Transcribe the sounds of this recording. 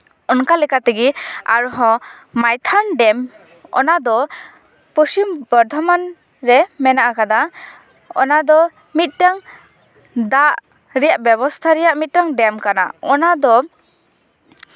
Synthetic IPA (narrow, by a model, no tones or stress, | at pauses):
ɔnkalɛkat̪ɛɡia̰ɾɔɦɔ̃ | majt̪ʰanɖɛm | ɔ̰nad̪ɔ | pusimbɔɾd̪ʱɔman | ɾɛmɛnaʔakad̪a | ɔnad̪ɔ | mit̪̚ˀʈaŋ | d̪aʔ | ɾɛjaʔbɛbɔst̪ʰaɾɛjaʔmit̪̚ʈaŋɖɛmkana̰ɔnad̪ɔ